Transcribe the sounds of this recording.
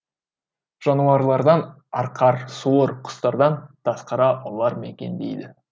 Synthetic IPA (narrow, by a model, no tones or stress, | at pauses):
ʒ̥ɑnuɑɾlˠɑɾd̪ɑn | ɑɾqʰɑɾsuɾqʰʊ̥st̪ɑɾd̪ɑnt̪ʰɑsqɑɾɑʔolˠɑɾmekʲe̞̰nd̪ejd̪ɪ